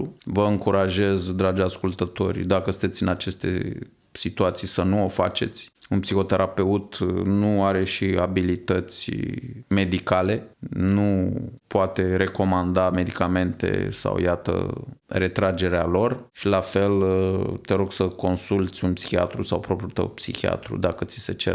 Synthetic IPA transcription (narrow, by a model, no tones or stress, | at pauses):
vəɨŋkuɾaʒe̞zd̪ɾad͡ʒaskult̪ət̪o̞̰rʲd̪akəsɨnt̪eɨnat͡ʃe̞st̪e̞̰ | sit̪uat̪sijsənuo̞fa̰t͡ʃe̞t̪sʲunpsixo̞t̪e̞ɾʔape̞ut̪nuaɾe̞ʃiabilit̪ət̪sʲme̞d̪ikale̞nupoat̪e̞ɾe̞ko̞mand̪ame̞d̪ikame̞nt̪ḛsa̰wjat̪ə̰re̞t̪ɾad͡ʒe̞ɾealo̞rʃilafe̞lt̪e̞ɾo̞ɡsəko̞nsult̪sʲunpsi̥xia̰t̪ɾusawpɾo̞pɾʲijut̪ə̰wpsḭxia̰t̪ɾṵd̪akət̪si̥se̞t͡ʃḛr